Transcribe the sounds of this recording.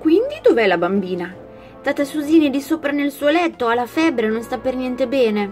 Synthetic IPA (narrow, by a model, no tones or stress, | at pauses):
kwind̪id̪oveɛlabambiːna | t̪at̪asuziːnid̪isoːpɾanelsuːolɛt̪ːoalːafɛbːɾenonst̪apːernjɛnt̪ebɛːne